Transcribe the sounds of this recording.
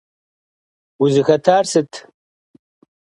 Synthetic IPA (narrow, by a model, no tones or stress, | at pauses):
uzɨxɐtʰaːrsɨtʰ